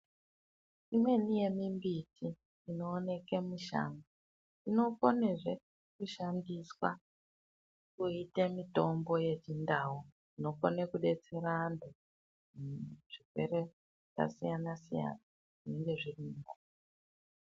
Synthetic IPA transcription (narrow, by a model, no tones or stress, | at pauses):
imwe̞nije̞mimbitʰiː | no̞ːne̞ke̞muʃa̰ŋɡa | ino̞ko̞ne̞ʐe | kuʃandiswa | kuitemito̞mbo̞je̞t͡ʃindaːɦu | ino̞ko̰nekuɗe̞t͡se̞ɾando | ʐ̥ikwe̞̰ɾe | ka̰sijanasija̰na | ʐineŋɡe̞ʐirimuda